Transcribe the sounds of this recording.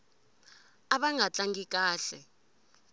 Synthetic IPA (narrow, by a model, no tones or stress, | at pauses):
aɓaŋʱat͡ɬʼaŋɡik̬ʼaːɬɛ̰